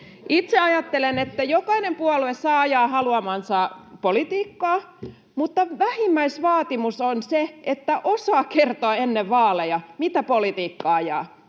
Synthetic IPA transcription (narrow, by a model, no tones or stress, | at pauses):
ʔit̪seɑjɑt̪ːelenet̪ːæjokɑinempuɑluessɑːɑjɑːhɑluɑmɑnsɑpolit̪iːkːɑː | mut̪ːɑʋæhimːæisʋɑːt̪imusonseet̪ːæʔosɑːkert̪oɑenːeʋʋɑːlejɑmit̪æpolit̪iːkːɑːɑjɑ̰ː